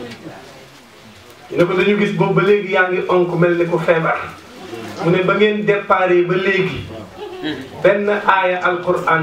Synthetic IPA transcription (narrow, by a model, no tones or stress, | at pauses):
jinɐkulɐjuɡisɡobɐleːɡijaŋɡiʔɔŋkumɛllɛkufɛːbaɾ | munɛbɐŋeːndɛɾpaːɾeːbɐleːɡi | bɛnːɐʔaːjɐʔalkuɾaːn